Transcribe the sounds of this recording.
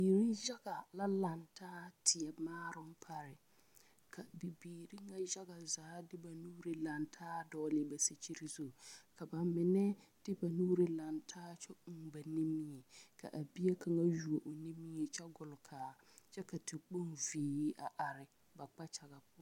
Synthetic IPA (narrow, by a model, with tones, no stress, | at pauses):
biː˨ɾi˦ʒa˦ɡa˨la˦la˨ntʰaː˦tʰɪ˨ɛ˨maː˦ɾʊ˦m̩˦pʰa˦ɾɪ˨ | kʰa˨bi˨biː˨ɾi˦ŋa˦ʒa˦ɣa˨zaː˨˦dɪ˦ba˨nuː˦ɾi˦la˨ntʰaː˦dɔː˦lɪ˦ba˨si˨t͡ʃi˦ɾi˦zo˨ka˨ba˨mɪ˨nɛ˦d̥ɪ˦ba˨nuː˦ɾɪ˦la˨ntʰaː˦t͡ʃɔ˦˨ba˨ni˦mɪ˦ɛ˨kʰa̰˨ʔa˨bi˦e˦kʰa˨ŋa˦ju˨o˨ʔo˨ni˦mi˦ɛ˨t͡ʃɛ˦ɡʊ˨lʊ˨kʰaː˨t͡ʃɛ˦ka˨tʰɪ˨k͡po˦nviː˨˦ji˦ʔa˨ʔa˨ɾɪ˨ | ba˨k͡pa˦t͡ʃa˨ɣa˨pʊ˦